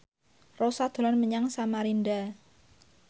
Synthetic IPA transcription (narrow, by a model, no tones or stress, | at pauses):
rosad̪̥o̤lanməɲaŋsamaɾinda